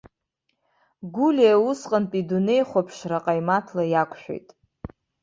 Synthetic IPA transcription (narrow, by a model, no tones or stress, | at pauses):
ɡʷulʲeausqʼənpʼidune̞jχʷapʰʂraqʼajmatʰlajakʷʰʼʃᶣʷḛjtʼ